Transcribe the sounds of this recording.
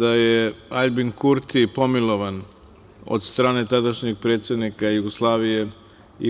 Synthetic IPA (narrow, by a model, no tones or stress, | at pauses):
d̪ajeaʎbiŋkuɾt̪ipo̞milˠo̞ʋan | o̰d̪st̪ɾaːne̞t̪ad̪aʃɲiɡ̚pɾeːt̪sjed̪nikajuɡoslˠaːʋije̞ | ḭ